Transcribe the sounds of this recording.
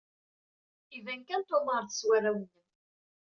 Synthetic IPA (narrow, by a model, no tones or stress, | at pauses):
ivænkænt̪oməɾˤθə̥swæɾæwənːən